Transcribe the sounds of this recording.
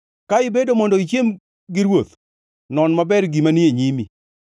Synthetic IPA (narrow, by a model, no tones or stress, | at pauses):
kaɪbedomɔndɔit͡ʃem | ɡɪɾwot̪ | nɔnmabɛrɡimanieɲimi